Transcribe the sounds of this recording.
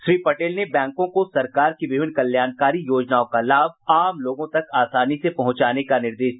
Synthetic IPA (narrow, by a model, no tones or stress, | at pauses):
ʃɾiːpɐʈeːlnebɛ̃ːŋkõkosɐɾkaːɾkiʋɪʋɪnkɐljaːnkaːɾijoːd͡ʒnaːõkalaːb̚ʱaːmloːɡõt̪ɐkaːsaːnisepɐɦʊ̃t͡ʃaːnekanɪɾd̪eːʃd̪